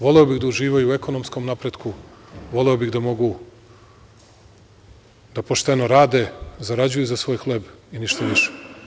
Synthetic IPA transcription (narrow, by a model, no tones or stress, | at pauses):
ʋo̞leobiɣd̪auʒiːʋajuːe̞ko̞nomsko̞mnapɾe̞d̪kuʋo̞leobiɣd̪amo̞ɡu | d̪̥apo̞ʃt̪e̞no̞ɾaːd̪e̞zaɾad͡ʑujuzasʋo̞ːjxlˠe̞biniʃt̪aʋiʃe̥